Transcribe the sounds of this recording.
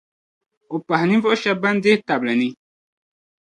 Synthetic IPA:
o˨pa˨ɦnĩ˦vɔ˦o˦ʃɛ˦ba˦n˦de˦ta˨blɛ˨nĩ˦

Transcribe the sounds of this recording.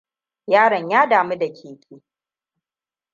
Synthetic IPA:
jaː˦ɽɐ˨ɲjaː˦daː˨mi˦da˨kʲʰeː˨kʲʼiː˦

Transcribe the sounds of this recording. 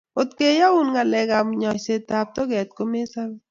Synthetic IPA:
o˨tke˦ja˦u˦nŋa˨lɛ˨ɡa˨mɲɔ˨se˨ta˨p̚tɔ˦ɡɛ˨t̚ko˦me˦sa˦l

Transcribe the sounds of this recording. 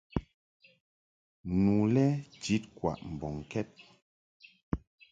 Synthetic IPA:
nu˨lɛ˦d͡ʒi˨˦t̚kwa̰˨ʔm̩˨bɔ˨ŋ˨kɛ˦t̚

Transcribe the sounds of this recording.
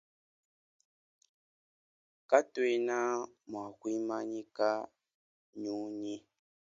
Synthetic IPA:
ka˦twe˦na˦mwa˨kwi˦ma˦ɲi˦ka˦ | ɲu˦ɲi˦

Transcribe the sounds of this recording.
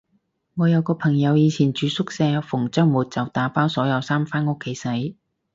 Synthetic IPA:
ŋɔː˨˧jɐ˨˧wkɔː˧pʰɐ˨˩ŋjɐ˨˧wjiː˨˧t͡sʰiː˨˩nt͡ʃyː˨˧sʊ˥k̚sɛː˧fʊ˨˩ŋt͡sɐ˥ŋmuː˨t̚t͡sɐ˨wt̪aː˨˥paː˥wsɔː˨˥jɐ˨˧wsaː˥mfaː˥nʊ˥kʰːe˨˧˥jsɐ˨˥j

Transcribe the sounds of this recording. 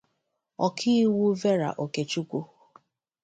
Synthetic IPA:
ɔ˨kʰi˦wu˦ve˦ɾa̰˨ʔo˨ke˨t͡ʃu˦kʷu˦

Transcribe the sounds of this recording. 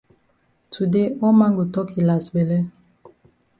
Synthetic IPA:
tʰu˨de˦ɔ˦ma˦ŋɡu˨tɔ˦kʰi˨la˨sbɛ˨lɛ˦

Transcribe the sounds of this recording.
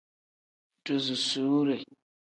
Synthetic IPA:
tu˨zu˨su˦ɾe˨

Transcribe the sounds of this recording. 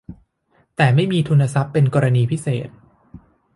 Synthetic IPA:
t̪ɛː˨˩ma˥˩jmiː˧t̪ʰu˧nːa˧sa˦˥pːe˧nkɔː˧ɾa˧niː˧pʰi˦˥seː˨˩t̪̚

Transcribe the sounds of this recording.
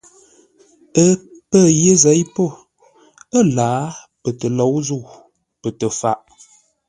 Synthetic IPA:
ə˦pə˦˨jə˦zɛ˨˦jpo˦˨ | ə˦˨laː˨˦ | pə˨tə˨lɔ˨˦wzu˦˨ | pə˨tə˨fa˨ʔ

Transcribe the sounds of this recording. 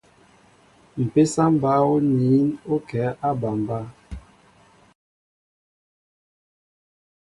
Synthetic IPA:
m̩˨pe˦sa˦m˦ba˦o˦ni˨˦no˦kɛ˨˦ʔa˦ba˨m˨ba˦

